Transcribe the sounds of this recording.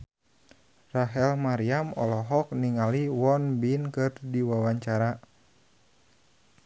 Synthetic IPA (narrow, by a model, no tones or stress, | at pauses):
raɦɛlmaɾiamɔ̰lɔɦɔk̚niŋaliwɔnbinkɨrdiwawaɲt͡ʃaɾa